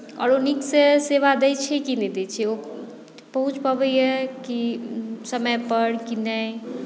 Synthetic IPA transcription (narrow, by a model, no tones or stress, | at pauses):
ɔ̰ːɾonikseseʋad̪ɛjt͡ʃʰɛkinɛd̪ɛt͡ʃʰɛo | bəɦut͡ʃʰpəbəjjɛkisəməjpəɽkinəj